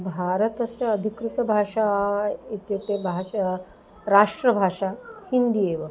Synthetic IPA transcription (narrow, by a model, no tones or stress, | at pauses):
bʱaɾət̪əseəd̪ʱikɾit̪əbʱaʂait̪et̪ebʱa | ɾaʂʈɾəbʱaʂahind̪ieʋə